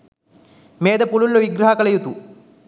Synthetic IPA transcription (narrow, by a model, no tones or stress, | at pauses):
meːd̪ɐpululːuʋiɡɾɐɦɐkɐɭɐjut̪u